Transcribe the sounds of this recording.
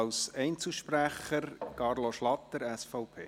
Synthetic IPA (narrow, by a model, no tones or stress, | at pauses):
ɑwsɛɪnt͡suʃpræχəɾkɑrloʃlɑt̪ːəɾæsfɔʊpʰḛː